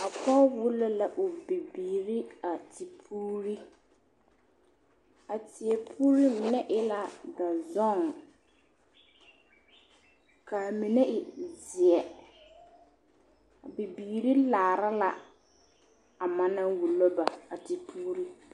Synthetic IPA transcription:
a˨pɔ˦wu˦lo˦la˨ʔʊ˨bi˨biː˨ɾi˦a˨ti˨pʰuː˦ɾi˦ | a˨tɪ˨ɛ˨pʰuː˦ɾi˦mɪ˨nɛ˦ʔɪ˦la˨da˨zɔ˦˨ŋ | ka˨mɪ˨nɛ˦ʔɪ˨zɪ˨ɛ˨ | a˨bi˨biː˨ɾi˦laː˨ɾa˦la̰˨ | a˨ma˦na˦wu˨lo˦ba˨a˨ti˨pʰuː˦ɾi˦

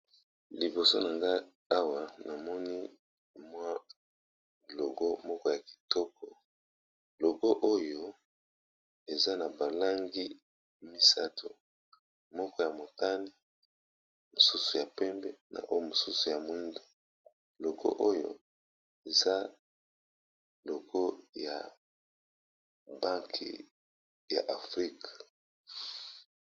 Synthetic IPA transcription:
li˨bo˨so˦na˨ŋɡa˦ | a˦wa˨na˨mɔ˦ni˦ | mwa˦ | lo˨ɡo˦mɔ˦kɔ˦ja˨ki̥˨tɔ˦kɔ˨ | lo˨ɡo˦ʔo˦jo˦ | e˨za˦na˨ba˨la˦ŋɡi˦ | mi˦sa˦tu˨ | mɔ˦kɔ˦ja˨mo˨ta˦ni˦ | mo˨su˦su˨ja˨pɛ˦mbɛ˦na̰˨ʔo˦jo˦mo˨su˦su˨ja˨mui˦ndo˨ | lo˨ɡo̰˦ʔo˦jo̰˨ | e˨za˦ | lo˨ɡo˦ja̰˨ | ba˦ŋkʰḭ˨ | ja̰˨ʔa˨fʁi˦k

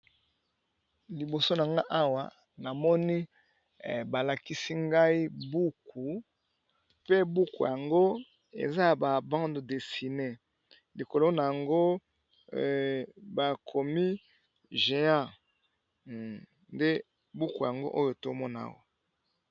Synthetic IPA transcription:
li˨bo˨so˦n˨a˨ŋɡa˦ʔa˦wa˨ | na˨mɔ˦ni˦ | ba˨la˨ki˦si˦ŋɡa˦i˦bu˦ku˨ | pe˦bu˦ku˨ja˨ŋɡo˦ | ḛ˨za˦ja˨ba˨bã˦ndo˨de˨si˨ne˦ | li˨ko˨lo˦na˨ja˨ŋɡo˦ | ba˨kʰo˨mi˦ | ʒe˨ã˦˨ | nde˦ | bu˦ku˨ja˨ŋɡo̰˦ʔo˦jo˨to˦mɔ˦na˨a̰˦wa˨

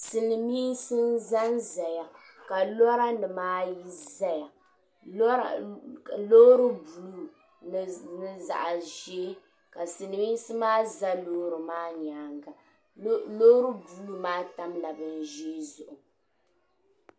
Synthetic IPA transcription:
sɨ˨nɨ˨mi˦nsɨ˦n˦za˦nza˨ja˨ | ka˨lɔ˦ɾa˦nɨ˨maː˦ji˦za˦ja˨˦˨ | lo˦ɾɨ˦bu˨lu˦ | nɨ˦˨za̰˨ʔa˨ʒe˦ | ka˨sɨ˨nɨ˨miː˦n˦sɨ˦maː˦za˦loː˦ɾɨ˨maː˦ɲ˨aː˨˦ŋɡa˨ | lo˦ɾɨ˦bu˨lu˦maː˦ta˦mla˨bɨ˦n˨ʒe˦zʊ˨ʔʊ˨

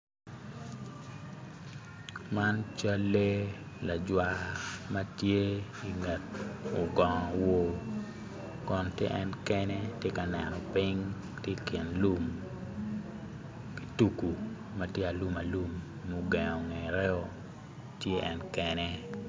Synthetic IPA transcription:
ma˦nt͡ʃa˦lːe˦ | la˨d͡ʒwa˨ma˦tje˦ | i˨ŋɛ˨t̚ʊ˨ɡɔ˨ŋɔ˨wo˦ | kɔ˨ntjḛ˦ʔɛ˦nkɛ˦ne˦tje˦ka˨nɛ˨nɔ˨pi˦ŋ | tje˦kɛ˨nlu˦m | ki˨tu˦ku˨ | ma˦tje˦a˨lu˦ma˨lu˦mː | u˦ɡɛ˨ŋɔ˨ŋe˨ɾɛ˦o˨ | tje˦ʔɛ̰˦nkɛ˦nɛ˦

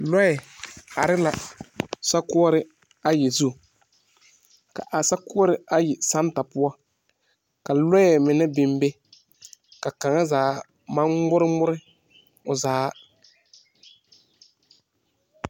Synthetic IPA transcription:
lɔ˦jɛ˨ha˨ɾɪ˦la˨sa˦kʊ˦ɔ˦ɾɪ˦ | a˦jɛ˨zu˦˨ | ka˨ʔa˨sa˦kʊ˦ɔ˦ɾɪ˦a˦jɪ˨sa˦n˦ta˨pʊ˦a˦ | ka˨lɔ˦jɛ˨mɪ˨nɪ˦bɪ˦mbe˦ | ka˨ka˨ŋa˦zaː˨˦ | ma˦mʊ˦ɾɪ˦mʊ˦ɾɪ˦ | ʊ˨zaː˨˦

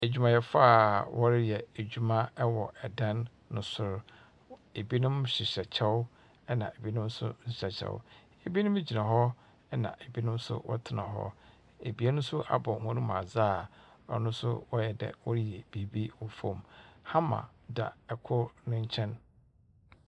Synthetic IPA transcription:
e˨d͡ʑᶣu˨mã˨jɛ˨faː˦˨wʔɔ˦ɾɪ˦jɛ˨e˨d͡ʑᶣu˦mã˦wɔ˨ɛ˨dã˦nː | ʊ̃˨sʊ˦˨ɾ | e˨bi˦nʊ̃˦mɕi˨ɕɛ˨t͡ɕʰɛ˦wʊ˦ | ɛ˦nã̰˨e˨bi˦nʊ̃˦m˦sʊ̰˦ɲ̩˨ɕɛ˨t͡ɕʰɛ̰˦˨wʊ̰˦ | e˨bi˦nʊ̃˦m˦d͡ʑi˨nã˨ɦɔ˦ | nã̰˨e˨bi˦nʊ̃˦m˦sʊ̰˦wʔɔ̰˦tʰɪ˨nã̰˨ɦɔ̰˦ | e˨bi˦a˦nʊ̃˦sʊ˦ʔa̰˨bɔ̃˨hʊ̃˦nũ˦m˨a˨zaː˦˨ | ɔ̰˨nʊ̃˦sʊ̰˦wɔ˦jɛ˨dɛ̰˨wɔ˦ɾjɛ˨b̥i˨bi˦wɔ˨fõ̰˨mhã˦mã̰˨da̰˨ɛ˨kʰʊ˦nʊ̃˦ɲ̩˦t͡ɕʰɛ̃˦n

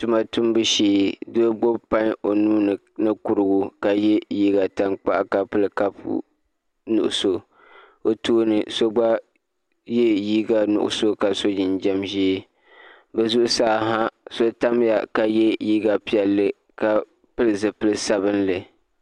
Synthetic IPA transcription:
tu˨ma˨tu˦m˦bɨ˦ʃeː˨dɨ˦ɡ͡bo˦bpa˦ɲo˨nuː˦nɨ˨ | nɨ˦ku˨ɾɨ˨ɡʊ˨ka˨jɛ˦jiː˦ɡa˨ta˨ŋk͡pa˦ʔa˦ka˨pɨ˦lɨ˨ka˦pṵ˦ | nṵ˨ʔʊ˨so˨ | o˦toː˦nɨ˨so˦ɡ͡ba˦ | je˦jiː˦ɡa˨nʊ̰˨ʔʊ̰˨so˦ka˨so˦d͡ʒi˨nd͡ʒɛ˦mʒi˦ | bɛ˨zu˦ʔʊ˦saː˦ɦa˦so˦ta˦m˦ja˨ka˨jɛ˦jiː˦ɡa˨pi˨ɛ˨lːɨ˦ | ka˨ | pɨ˦lɨ˨zɨ˨pɨ˦lɨ˦sa˨βɨ˦n˦lɨ˨

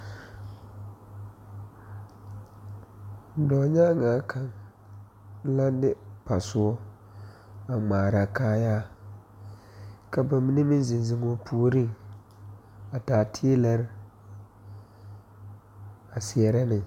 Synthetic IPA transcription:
dɔ˨ɲa˦ŋaː˨˦kʰa˨ŋ | la˦nɪ˦pa˨sʊ˦ɔ˦ | a˨ŋ͡maː˨ɾa˨kaː˦jaː˦ | ka˨ba˨mi˦ni˦mi˦nzɪ˨nzɪ˨ŋo˦pʰuː˦ɾi˦ŋ | a˨taː˨tʰi˦la˦ɾɪ˦ | a˨si˨ɛ˨ɾa˦nɪ˨ŋ

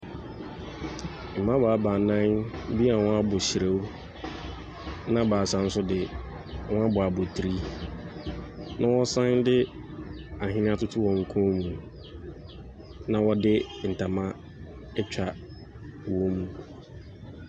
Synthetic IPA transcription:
m̩˨mã˦ba˨a˨˦ba˨nã˦n˦bi˦a˨wɔ̃˦a˦bʊ˨ɕi˨ɾe˦w | nã˦ba˨sã˨n̩˦sʊ˦dɪ˨ | wɔ̃˦a˦bʊ˨a˨bɔ˨tʰi˨ɾi˦ | nʔã˦wɔ˦sã˦ndɪ˦ | a˨ɦɪ̃˦nɪ̃˦a˦tʊ˦tʰʊ˦wɔ̃˨ŋ̩˨kʰɔ̃˦mũ˨ | nã˨wɔ˦dɪ˦n̩˨tʰa˨mã˦ | ɛ˦t͡ɕᶣa˨ | wɔ˦mũ˦

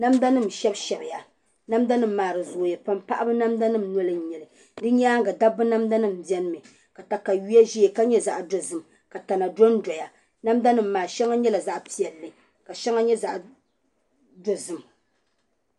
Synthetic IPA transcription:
na˦mda˦nɨ˦˨m˨ʃɛ˦bʃɛ˨bɪ˨ja˨ | na˦mda˦nɨ˦m̩ː˨aː˨ɾɨ˨zo˨jɛ˨pa˦mpa˦ʔa˦bɨ˦na˦mda˦nɨ˦˨m˨nɔ˦lɨ˦˨ɲɛ˨lɨ˨ | dɨ˦ɲ˦aː˦ŋɡa˨da˦bɨ˦na˦mda˦nɨ˦˨m̩˨bi˨ɛ˦nɨ˦mɨ˨ | ka˨ta˨ka˨ɥi˦a˦ʒi˦e˨ka˦ɲɛ˦za˨ʔdo˨zɨ˨m | ka˨ta˨na˨do˦ndɔ˨ja˨ | na˦mda˦nɨ˦m̩ː˨aː˨ʃɛ˦ŋa˦ɲɛ˦la˨za˦ʔpi˦ɛ˨lːɨ˨ | ka˨ʃɛ˦ŋa˦ɲɛ˦za˨ʔ | do˦zɨ˦m

